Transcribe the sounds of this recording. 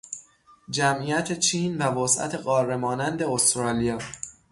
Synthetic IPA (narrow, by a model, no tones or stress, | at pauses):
d͡ʒæmʔiːjæt̪ʰet͡ʃʰiːnvævosʔæ̰t̪ʰe̞ɢɒːrːemɒːnænd̪e̞ost̪ɾɒːlijɒː